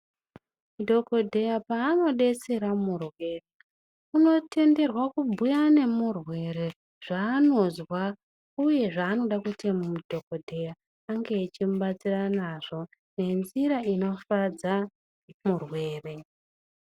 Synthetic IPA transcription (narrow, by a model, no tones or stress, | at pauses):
mudʱo̞ko̞dʱe̞japaːno̞ɗe̞seɾamurwe̞re | uno̞te̞nde̞rwakubʱujane̞murwe̞ɾe̞ | ʐ̥aːno̞zwa | uje̞ʐaːno̞ɗakutʰemamudʱo̞kodʱejaː | ŋɡe̞ːt͡ʃimuɓat͡siranaʐo̞ | ne̞nziɾaino̞fad͡za | murwe̞ːre̞